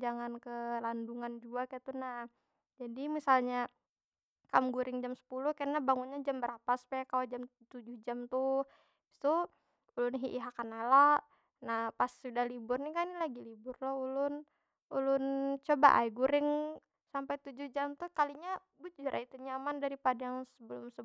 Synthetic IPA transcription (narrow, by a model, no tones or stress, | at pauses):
d͡ʒaŋankəlanduŋand͡ʒuakajat̪una | d͡ʒadimisalɲa | kamɡuɾɪŋd͡ʒamsə̥puluhkanabaŋunɲad͡ʒambəɾapaspɛkalad͡ʒamt̪ud͡ʒʊhd͡ʒamt̪u | t̪u | ulʊnɦiʔiɦakanala | nahpasudahlibʊrnikanilaɡilibʊrlɔulʊn | ulʊnt͡ʃoba̰ʔa̰jɡuɾɪŋ | sampajt̪ud͡ʒʊhd͡ʒamt̪ukaliɲa | bud͡ʒd͡ʒəɾʔa̰it̪uɲamandaɾipadajaŋsəbəlʊmsə